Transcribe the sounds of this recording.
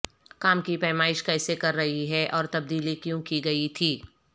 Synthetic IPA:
kaːmkipɛːmaːɪʃkɛːsekɐɾːɐɦiɦɛʔɔːɾt̪ɐb̚d̪iːlikjõkiɡɐit̪ʰiː

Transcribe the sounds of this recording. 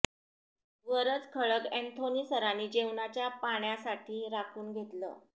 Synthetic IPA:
ʋəɾət͡skʰəɭəkent̪ʰoniːsəɾaniːd͡ʑeʋnat͡ɕjapaɳjasaʈʰiːɾakʰuːnɡʱet̪lə̰ː

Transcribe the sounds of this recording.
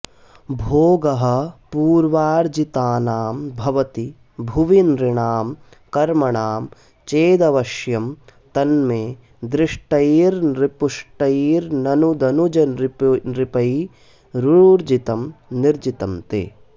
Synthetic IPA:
bʱoːɡɐɦɐ̆puːɾʋaːɾd͡ʒit̪aːnaːmbʱɐʋɐt̪i | bʱuʋinɾiɳaːm | kɐɾmɐɳaːm | t͡ʃeːd̪ɐʋɐʃjɐmt̪ɐnmeː | d̪ɾɪʂʈɐjiːɾnɾipuʂʈɐjiːɾnɐnud̪ɐnud͡ʒɐnɾipnɾipɐj | ɾuuɾd͡ʒit̪ɐmniɾd͡ʒit̪ɐmt̪ḛː

